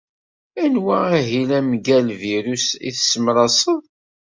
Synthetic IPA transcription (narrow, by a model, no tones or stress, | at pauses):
ænwææɦilæmɡælviɾusḭθsːəmɾˤɑsˤəðˤ